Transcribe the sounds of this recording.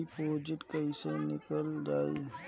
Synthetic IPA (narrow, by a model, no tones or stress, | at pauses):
ipʰoːd͡ʒɪʈkəisenɪkəldaːḭ